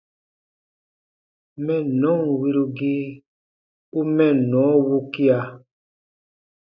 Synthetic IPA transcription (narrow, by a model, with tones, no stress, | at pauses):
mɛ̃˦˨nɔ̃˨˦˨wi˧ɾu˧ɡi˦ | u˦mɛ̃˦˨nɔ̃˨˦wu˦ki˦a˨